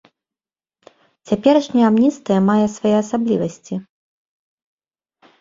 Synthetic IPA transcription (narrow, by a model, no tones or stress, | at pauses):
t͡sʲapʲɛɾɐʂnʲɐjɛamnʲist̪vɐjɐmajɛsvajɛɐsablʲivɐsʲt͡sʲi